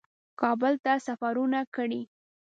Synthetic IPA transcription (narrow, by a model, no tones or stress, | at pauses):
kɑbəlt̪asafaɾunakəɽi